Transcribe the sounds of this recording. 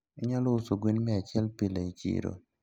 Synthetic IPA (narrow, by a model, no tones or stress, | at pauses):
iɲaloʊsoɡwinmɛat͡ʃɪɛlpilait͡ʃḭɾo̰